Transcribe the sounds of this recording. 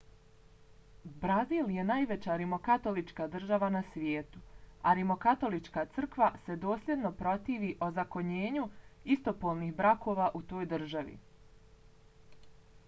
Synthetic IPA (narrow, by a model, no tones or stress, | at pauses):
bɾaziːlje̞naːjʋe̞t͡ɕaɾimo̞kat̪o̞lit͡ʃkaːd̪r̩ʒaʋanasʋjeːt̪uaɾimo̞kat̪o̞lit͡ʃkaːt̪sɨr̩kʋase̞d̪o̞ːslʲjed̪no̞pɾo̞t̪iːʋiʔo̞zako̞ɲeːɲuist̪o̞po̞ːlˠniːxbɾakʰo̞ːʋaʔut̪o̞ːjd̪ɨr̩ʒaʋḭ